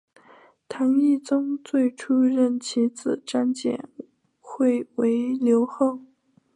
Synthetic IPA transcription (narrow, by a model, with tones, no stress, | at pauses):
t̪ʰa˧˥ni˥˩t͡sʊ˥ŋt͡swe˥˩ɪʈ͡ʂʰu˥ɻə˥˩nt͡ɕʰi˧˥t͡sɹ̩˨˩ʈ͡ʂa˥nt͡ɕjɛ̰˨˩˦n | xwe˥˩ɪwe˧˥ɪljo˧˥ʊxo˥˩ʊ